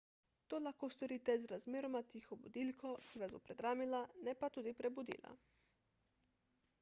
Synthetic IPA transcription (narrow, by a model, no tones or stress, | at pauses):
t̪oːlaxkoːst̪ɔɾiːt̪ɛzɾazmeːɾɔmat̪ixɔbṵd̪iːlkʰokiʋazbopɾɛd̪ɾaːmilanɛpat̪uːd̪ipɾɛbud̪ḭːla̰